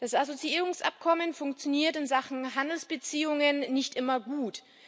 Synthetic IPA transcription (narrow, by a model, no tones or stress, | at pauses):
d̥asʔazot͡siiːʁʊŋsʔa̰p̚kʰɔmənfʊŋkt͡sjoniːɐtɪnzaχn̩ɦandl̩sb̥ət͡siːʊŋənːɪçtʔɪmɐɡuːt